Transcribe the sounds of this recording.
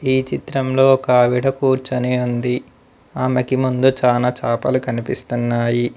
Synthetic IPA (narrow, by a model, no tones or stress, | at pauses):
iːt͡ʃit̪ɾɐmlo̞ːkaːʋiɽɐkuːɾt͡ʃɐneːund̪i | aːmɐkimund̪ut͡ʃaːlaːt͡ʃaːpɐlukɐnipist̪unːaːji